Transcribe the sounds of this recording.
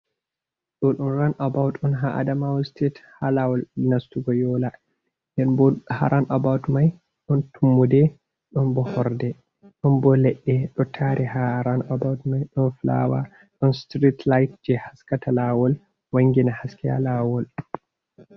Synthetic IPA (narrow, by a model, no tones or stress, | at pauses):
ɗɔɗɔnɾanʔabawtɔnɦaʔa̰damawstethalawɔlnastuɡɔjɔla | ndɛnbɔhaɾanʔabawtmaj | ɗɔntʰumːudɛ | ɗɔnbɔhɔɾdɛ | ɗɔnbɔlɛɗːɛɗɔtʰaɾʔɛhaɾanʔabawtmajɗɔnfla̰wa̰ | ɗɔnstɾitlajtd͡ʒɛhaskatalawɔl | waŋɡinahaskɛa̰lawɔl